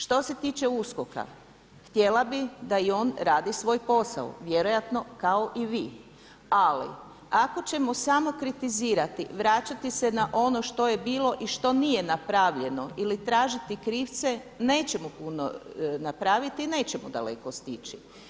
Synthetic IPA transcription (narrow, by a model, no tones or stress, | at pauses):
ʃt̪o̞se̞t̪iːt͡ʃeuskoka̰ | xt̪je̞lˠabid̪aio̞ːnɾaːd̪isʋo̞ːjpo̞sa̰o̰ʋje̞ɾojat̪no̞kao̞ʔiʋiː | alḭ | ako̞t͡ɕe̞mosamo̞kɾit̪iziːɾat̪ḭʋɾat͡ɕat̪ise̞naʔo̞no̞ʃt̪o̞je̞biːlˠo̞ʔiʃt̪o̞nije̞napɾaʋʎe̞no̞ilit̪ɾaːʒit̪ikɾiːʋt̪se̞ne̞ːt͡ɕe̞mupuno̰napɾaʋit̪ine̞ːt͡ɕe̞mud̪a̰le̞̰ko̞st̪it͡ʃi